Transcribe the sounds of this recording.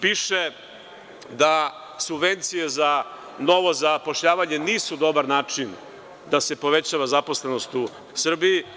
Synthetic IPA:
piːʃe | d̪a | subʋe̞nt̪sije̞za | no̞ʋo̞zapo̞ʃʎaːʋaɲe̞niːsud̪o̞baɾnaːt͡ʂin | d̪ase̞po̞ʋe̞t͡ɕaːʋazapo̞sle̞nost̪u | sr̩biː

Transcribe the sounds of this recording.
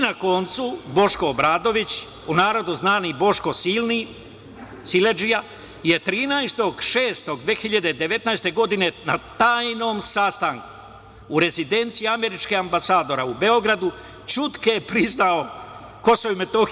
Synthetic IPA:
nako̞nt̪subo̞ʃkoːbɾaːd̪o̞ʋit͡ɕ | unaːɾo̞d̪uznaːnibo̞ʃko̞silni | siled͡ʒija | je̞t̪ɾiːnajst̪o̞ɡʃe̞ːst̪o̞ɡ̚d̪ʋeːxiʎad̪ed̪e̞ʋe̞t̪najst̪e̞ɡo̞d̪ine̞nat̪aːjno̞ːmsast̪aŋku̥ː | ɾe̞zid̪e̞nt̪sijiame̞ɾit͡ʃkeambasaːd̪o̞ɾaube̞o̞ɡɾad̪u | t͡ʃut̪kepɾiznao | ko̞soʋime̞t̪o̞x

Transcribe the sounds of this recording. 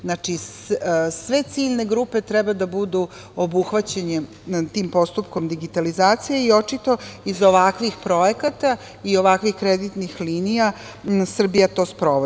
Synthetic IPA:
znat͡ʃis | sʋe̞t̪siʎne̞ɡɾupe̞t̪ɾɛbad̪abud̪u | obuxʋat͡ɕeɲe | t̪iːmpo̞st̪upko̞md̪iɡit̪alizaːt̪sijeio̞t͡ʃit̪o̞izoʋakʋixpɾo̞ekat̪a | io̞ʋakʋixkɾed̪it̪nixliːnija | sr̩bijat̪o̞ːspɾoʋo

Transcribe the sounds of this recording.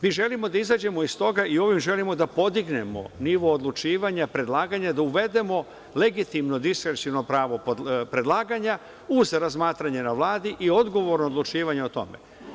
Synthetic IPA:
miːʒe̞limo̞d̪aizaːd͡ʑe̞mo̞ist̪o̞ɡaio̞ʋimʒe̞limo̞d̪apo̞d̪iɡne̞mo̞̰niʋo̞ːd̪lut͡ʃiːʋaɲapɾe̞d̪lˠaːɡaɲad̪auʋe̞d̪e̞mo̞ | le̞ɡit̪imno̞d̪iskɾesino̞pɾaːʋo̞ppɾe̞d̪lˠaːɡaɲa | uzɾazmaːt̪ɾaɲenaʋlˠaːd̪iʔio̞d̪ɡo̞ʋo̞ɾnoːd̪lˠut͡ʃiːʋaɲeot̪o̞̰mḛ

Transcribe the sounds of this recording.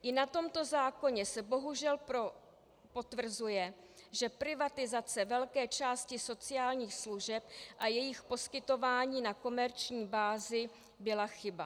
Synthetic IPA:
ʔɪnat̪o̞mt̪o̞zaːko̞ɲɛsɛbo̞ɦuʒɛlpo | po̞t̪vr̩zujɛ | ʒɛpɾɪvat̪ɪzat͡sɛvɛlkɛːt͡ʃaːscɪso̞t͡sɪjaːlɲiːxsluʒɛp̚ʔajɛjɪxpo̞skɪt̪o̞vaːɲiːnako̞mɛɾt͡ʃɲiːbaːzɪ | bɪlaxɪba̰

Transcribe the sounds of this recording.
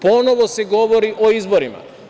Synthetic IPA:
ponɔʋɔsɛɡɔʋɔɾiʔoizbɔɾima̰

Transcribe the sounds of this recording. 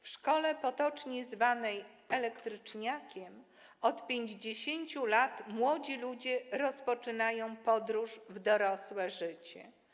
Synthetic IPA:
fʂkɔlɛpɔt̪ɔt͡ʂɲɛzvanɛj | ɛlɛkt̪ɾɘt͡ʂɲakʲɛm | ɔt̪pʲjeɲd͡ʑd͡ʑeɕeɲt͡ɕulat̪mwɔd͡ʑilud͡ʑɛɾɔspɔt͡ʂɘnajɔ̃w̃pɔd̪ɾuʂvd̪ɔɾɔswɛʐɘt͡ɕɛ̰

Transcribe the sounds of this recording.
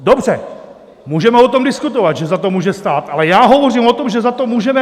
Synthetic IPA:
dobr̝ɛ | muːʒɛmɛot̪omdɪskut̪ovat̪ʒɛzat̪omuːʒɛst̪aːt̪ʔalɛjaːɦovoriːmot̪o̞mʒɛzat̪omuːʒɛmɛ

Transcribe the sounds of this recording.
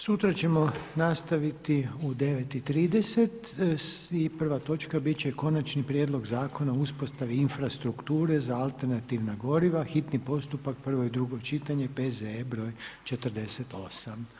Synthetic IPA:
sut̪ɾat͡ɕe̞mo̞nast̪aʋit̪iud̪e̞ʋe̞t̪it̪ɾiːd̪e̞se̞t̪ | sipr̩ʋat̪o̞t͡ʃkabit̪t͡ʃe̞ko̞nat͡ʃnipɾjeːd̪lˠo̞ɡzaːko̞nauspost̪aʋiinfɾast̪ɾukt̪uːɾe̞zaalˠt̪eɾnat̪iʋnaɡo̞ɾiʋaxit̪nipo̞st̪upak̚pr̩ʋo̞id̪ɾuɡo̞t͡ʃit̪aɲe̞pezebɾo̞ːjt͡ʃe̞t̪r̩d̪e̞set̪o̞sam

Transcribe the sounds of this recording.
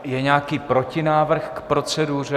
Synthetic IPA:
jɛɲaːkiːpɾo̞cɪnaːvr̩xkpɾo̞t͡sɛduːr̝ɛ

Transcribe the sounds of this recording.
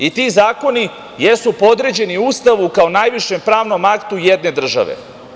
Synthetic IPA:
it̪izaːko̞ni | jesupod̪ɾe̞d͡ʑe̞niust̪aʋukao̞najʋiʃe̞mpɾaːʋno̞makt̪ujed̪ne̞d̪r̩ʒa̰ʋḛ

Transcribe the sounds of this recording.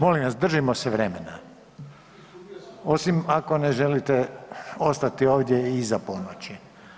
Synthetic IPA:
mo̞lĩmʋasd̪r̩ʒimosɛʋɾemena | o̞simako̞neʒelit̪eo̞st̪at̪ioːʋd̪jeizapo̞not͡ɕi

